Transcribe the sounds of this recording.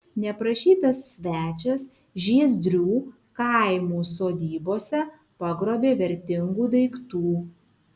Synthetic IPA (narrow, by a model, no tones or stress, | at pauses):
nʲɛpɾɐʃʲiːt̪ɐsːʲʋʲæːt͡ʃʲɛs | ʒʲiɛzʲd̪ʲɾʲuː | kɐˑɪmuːsoːd̪ʲiːboːsʲɛ | pɐɡɾoːbʲeːʋʲɛɾʲt̪ʲɪŋɡuːd̪ɐɪkt̪uː